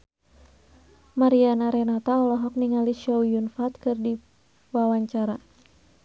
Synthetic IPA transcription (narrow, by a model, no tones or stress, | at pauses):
maɾianaɾɛnat̪aɔlɔɦɔk̚niŋaliʃɔwjunfat̪kɨrdi | wawaɲt͡ʃaɾa